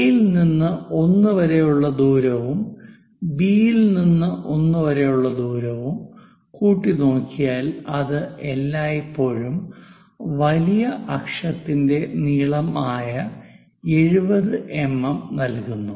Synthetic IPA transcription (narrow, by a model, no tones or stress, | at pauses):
jilninːɨo̞nːɨʋɐɾejuɭːɐd̪uːɾɐʋum | biːjilninːɨʔo̞nːɨʋɐɾejuɭːɐd̪uːɾɐʋum | kuːʈːino̞ːkːijaːlɐðɨelːaːjipːo̞ːɻum | ʋɐlijɐʔɐkʂɐt̪ːinde̞niːɭɐmaːjɐ | e̞ɻubɐðɨʔe̞mːɐmnɐlkunːu